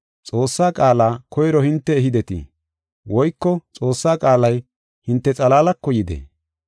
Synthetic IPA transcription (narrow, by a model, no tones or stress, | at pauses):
t͡sʼo̞ːsːaːkʼaːlaːkɔjɾɔhɪnt̪ːɛːɦɪd̪ɛt̪ɪ̰ | wɔjkːɔt͡sʼo̞ːsːaːkʼaːlɐj | hɪnt̪ːɛt͡sʼɐlaːlɐkːɔjɪd̪ḛː